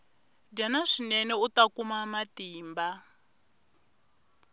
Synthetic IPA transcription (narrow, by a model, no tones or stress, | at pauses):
danaʂinɛnɛutakumamatiːmba